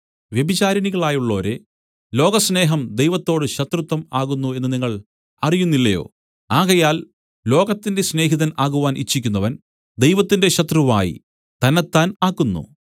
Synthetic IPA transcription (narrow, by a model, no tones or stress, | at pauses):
ʋjebit͡ɕaːɾɐniɣɐɭaːjuɭːo̞ːɾe̞ | lo̞ːɡɐsne̞ːɦɐmd̪e̞jʋɐt̪ːo̞ːɽɨɕɐt̪rɨt̪ːɐmaːɣunːue̞nːɨniŋːɐɭ | ɐrijunːilːɐjo̞̰ː | aːɣɐjaːl | lo̞ːɣɐt̪ːinde̞sne̞ːɦiðɐnaːɣuʋaːnʔḭt͡ɕːik̬ʲːunːɐʋɐn | d̪e̞jʋɐt̪ːinde̞ɕɐt̪ruʋa̰ːjḭ | t̪ɐnɐt̪ːaːnaːkːunːṵ